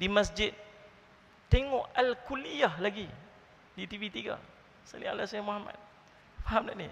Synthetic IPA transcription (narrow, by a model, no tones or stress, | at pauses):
dimasd͡ʒɪt̪̚ | t̪eŋɔʔalkulijahlaɡi | dit̪ivit̪iɡa̰ | sa̰lḭa̰lasajamoɦama̰t̪̚ | faɦamdaʔnḭ